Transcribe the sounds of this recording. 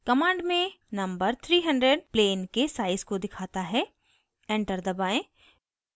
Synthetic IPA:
kɐmãːɳɖmẽnɐ̃mbəɾt̪ʰɾiːɦɐ̃ɳɖɾeɖ̚pleːnkesaːɪzkod̪ɪkʰaːt̪aɦɛ | ɛ̃ːɳʈəɾd̪ɐbaːẽ

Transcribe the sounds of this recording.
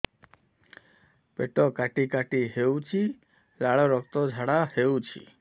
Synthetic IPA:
peʈɔkaʈikaʈiɦewt͡ʃʰi | laɭɔɾɔkt̪ɔd͡ʒʱaɽaheut͡ʃʰḭ

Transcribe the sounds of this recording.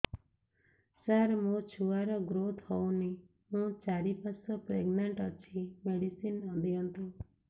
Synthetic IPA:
saɾmũt͡ʃʰuaɾɔɡɾot̪ʰhɔw̃ni | mũt͡ʃaɾipasɔpɾeɡnaɳʈɔt͡ʃʰimeɽisinɔd̪iɔnt̪ũ

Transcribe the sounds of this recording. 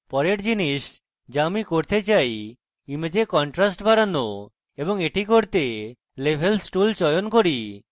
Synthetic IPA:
pɔɾeɾd͡ʑiniʃ | d͡ʒamikoɾt̪et͡ʃaj | imed͡ʑekɔɳʈɾasʈbʱaɾano | ebɔŋeʈikoɾt̪e | lebʱelsʈult͡ʃɔjonkoɾi

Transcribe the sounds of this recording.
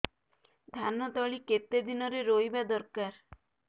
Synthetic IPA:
d̪ʱanɔt̪ɔɭiket̪ed̪inɔɾeɾojbad̪ɔɾkaɾ

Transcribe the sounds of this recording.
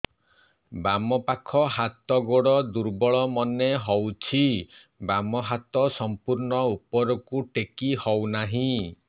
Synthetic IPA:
bamɔpakʰɔɦat̪ɔɡoɽɔd̪uɾbɔɭɔmɔneɦɔwt͡ʃʰi | bamɔɦat̪ɔsɔmpuɾɳɔupɔɾɔkuʈekihɔwnaɦĩ

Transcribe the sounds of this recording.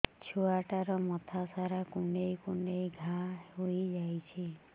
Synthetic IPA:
t͡ʃʰuaʈaɾɔmɔt̪ʰasaɾakuɳɖejkuɳɖejɡʱaɦojd͡ʒajt͡ʃʰi

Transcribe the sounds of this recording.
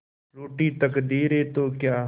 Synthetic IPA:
ɾoːʈiːt̪əkd̪iːɾeːt̪õːkjaː

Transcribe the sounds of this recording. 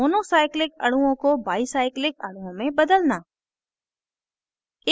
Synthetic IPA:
oːnoːsaːɪklɪkɐ̰ɽ̤uõkobaːisaːɪklɪk̚ɐɽ̤uõmẽbɐd̪əlnaː | ɪ

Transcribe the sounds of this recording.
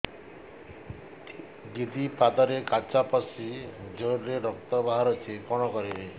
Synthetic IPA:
ɡid̪ipad̪ɔɾekat͡ʃapɔsid͡ʒoɾɾeɾɔk̚t̪ɔbaɦaɾɔt͡ʃʰikɔɽ̃ɔkɔɾie

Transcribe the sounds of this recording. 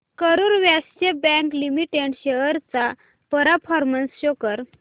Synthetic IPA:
kəɾuːɾʋjast͡ɕebɛ̃ŋklimiʈeɳɕeɦəɾt͡sa | pəɾapʰɔɾmənsɕokəɾ

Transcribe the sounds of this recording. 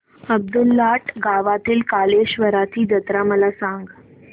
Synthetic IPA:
əb̚d̪ulːaʈɡaʋat̪iːlkaleɕʋəɾat̪ʰiːd͡ʑət̪ɾaməlasãŋɡ

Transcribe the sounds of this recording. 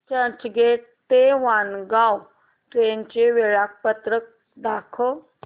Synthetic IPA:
t͡ɕət͡ɕɡeʈ | t̪eʋanɡaw | t̪eɲt͡ɕeʋeɭak̚pət̪ɾək̚ | d̪akʰə

